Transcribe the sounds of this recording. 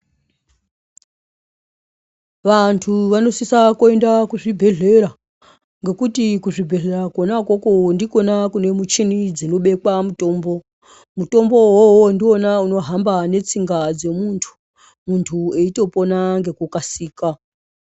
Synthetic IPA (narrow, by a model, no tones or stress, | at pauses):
ʋantʰuʋano̞sisakoe̞ndakuʐibʱe̞ɮe̞ɾa | ŋɡe̞kutikuʐibʱe̞ɮe̞ɾakonakwokondiko̞nakune̞mut͡ʃinid͡zino̞ɓe̞kwamuto̞ːmbo̞ | muto̞mbo̞wowondio̞nauno̞ɦambane̞t͡siŋɡad͡ze̞muntʰu̥ | muntʰue̞ito̞po̞naŋɡe̞kukasiːka